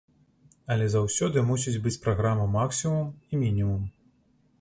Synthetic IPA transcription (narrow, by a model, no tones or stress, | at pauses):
ɐlʲɛzawsʲɔd̪ɨmusʲid͡zʲbɨt͡sʲpɾaɣɾamɐmaksʲimumimʲinʲimum